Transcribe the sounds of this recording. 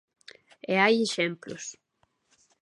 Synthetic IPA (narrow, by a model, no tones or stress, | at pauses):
eajeʃɛmplʊ̰s